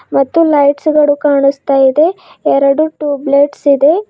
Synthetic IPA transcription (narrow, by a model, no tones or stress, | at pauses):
mɐt̪ːulɐjʈsɡɐɭukaːɳust̪aːjid̪e̞ | ɛɾɐɽuʈuːbleʈsid̪e̞